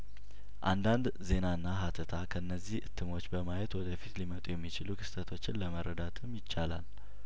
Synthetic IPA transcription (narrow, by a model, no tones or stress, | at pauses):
ʔa̰nd̪and̪ze̞naɨnːaɦat̪ʰət̪ʰakʰəɨnːəzːihʔɨt̪ʰːɨmo̞t͡ʃːbəmajɛt̪wɔd̪əfit̪limət̪ʼujɛmːit͡ʃɪlukʰɨ̥st̪ət̪ʰo̞t͡ʃːɪnləməɾəd̪at̪ʰɨmjɪt͡ʃːala̰l